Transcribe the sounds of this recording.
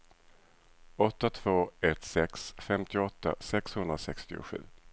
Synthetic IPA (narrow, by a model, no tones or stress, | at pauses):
ɔt̪ːat̪ʰv̥oːɛt̪sɛksfɛmt̪ʰɪɔt̪ːa̰sɛkshɵnd̪ɾasɛkst̪ɪʊ̰ɧʉ̟ː